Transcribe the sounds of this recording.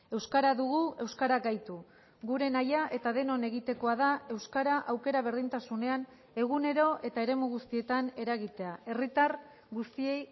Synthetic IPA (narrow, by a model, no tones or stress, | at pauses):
e̞wskaɾaðuɣue̞wskaɾakɡajt̪u | ɡuɾe̞najaʔe̞t̪aðe̞no̞ne̞ɣ̞it̪e̞ko̞að̞ae̞wskaɾaʔawke̞ɾaβ̞e̞ɾðint̪asune̞an | e̞ɣ̞une̞ɾo̞ʔe̞t̪aeɾe̞muɣust̪ie̞t̪ane̞ɾaɣ̞it̪e̞ae̞rit̪ar | ɡust̪ie̞j